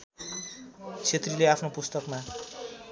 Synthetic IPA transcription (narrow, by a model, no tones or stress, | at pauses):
t͡sʰet̪rileapʰnopust̪ʌkma